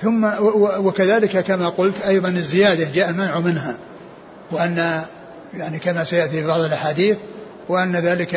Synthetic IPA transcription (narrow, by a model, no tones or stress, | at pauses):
θʊmːawwɪkaðaːlɪkakamaqʊlt̪ʔɑjðˤɑnɪzːɪjaːd̪ad͡ʒaːʔalmanʕumɪnɦa | wɪʔanːa | jaʕnikamasajaʔt̪ifibɑʕðˤɨlʔaħaːd̪iːθ | wɪʔanːaðaːlɪka